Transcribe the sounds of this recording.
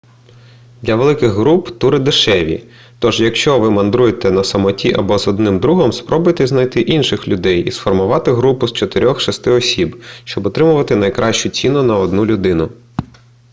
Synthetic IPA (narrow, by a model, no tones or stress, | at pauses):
d̪lʲɐʋelˠɪkɪɣɦɾupt̪uɾɪd̪eʃɛʋʲḭ | t̪ɔʒjɐkʃt͡ʃɔʋɪmɐnd̪ɾujet̪ɛnɐsɐmɔtʲiʔɐbɔzɔd̪nɪmd̪ɾuɦɔmspɾɔbʊjt̪ɛzn̪ɐjt̪ɪʔinʃɪxlʲʊd̪ɛjḭsfɔrmʊʋɑt̪ɪɦɾupʊst͡ʃɔt̪eɾʲɔxʃɐst̪ɪɔsʲibʃt͡ʃɔbɔt̪ɾɪmʊʋɐt̪ɪnɐjkɾʔɑʃt͡ʃʊt͡sʲinʊnɐɔd̪nulʲʊd̪ɪnʊ